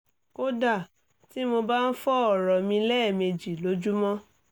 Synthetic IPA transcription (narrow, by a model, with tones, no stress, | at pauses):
ko˦da˦˨ | ti˦mo˧ba˦n̩˦fɔ˦ɔ˦˨ɾɔ˨mĩ˧˦lɛ˦˨me˧d͡ʒi˨lo˨˦d͡ʒu˦mɔ̃˦